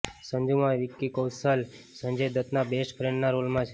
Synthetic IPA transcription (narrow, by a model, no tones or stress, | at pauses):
sə̃ɲd͡ʒũmãʋikːikəwsəl | sə̃nd͡ʒəjd̪ət̪nabesʈpʰɾẽɳɖnaɾolmãt͡ʃʰ